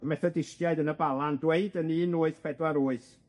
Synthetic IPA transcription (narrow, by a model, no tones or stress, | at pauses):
mɛθɛdɪstjaɨdənəbalˠandweɨdəniːnuːɨθpʰɛdwaɾuːɨθ